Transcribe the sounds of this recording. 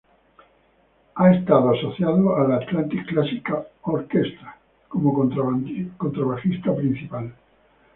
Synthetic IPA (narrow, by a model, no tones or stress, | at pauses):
aest̪aðoasoθjaðoalaːt̪lant̪ikːlasikaoɾkest̪ɾḁ | komo | kont̪ɾaβaxist̪apɾĩn̟θipal